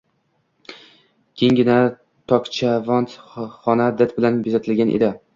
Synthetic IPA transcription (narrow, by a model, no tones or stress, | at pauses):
kʲʰeŋɡʲɪna | t̪ʰɒkt͡ʃʰavɒnt̪χɒnad̪ɪt̪̚bɪlanbezat̪ʰɪlɡʲanʔḛd̪ɪ